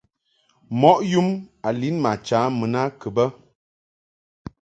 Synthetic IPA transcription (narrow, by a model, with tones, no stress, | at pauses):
mɔ˦ʔju˦ma˨li˦nma˨t͡ʃa˨˦mə˨na˦kə˨bə˦